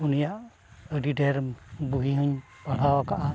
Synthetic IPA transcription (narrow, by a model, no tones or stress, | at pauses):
unijaʔ | əɖiɖɛɾbuɦiɦɯɲ | pal̤awakaʔa